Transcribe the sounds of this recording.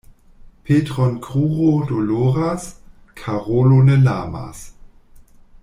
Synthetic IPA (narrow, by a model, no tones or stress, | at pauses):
pʰeːtʁɔnkʁ̥uːʁodoloːʁas | kʰaʁolonəlaːma̰s